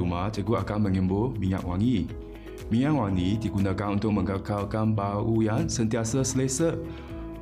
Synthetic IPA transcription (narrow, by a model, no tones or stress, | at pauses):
umat͡ʃəɡuʔakanmə̃ŋĩmbʊlmĩŋa̰ʔwaŋĩ | mĩŋaʔwaŋĩdiɡunakanunt̪ʊk̚mə̃ŋkəkalkanbaujaŋsənt̪iasəsəlesə